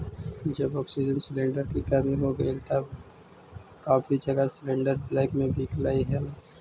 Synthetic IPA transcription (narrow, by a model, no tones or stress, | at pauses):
d͡ʒɐbɔːksid͡ʒənslẽːɳɖəɾkikaːmiɦoɡəilt̪əb | kaːfid͡ʒəɡaslẽːɳɖəɾblɛːkmẽbiːklaːiɦɛ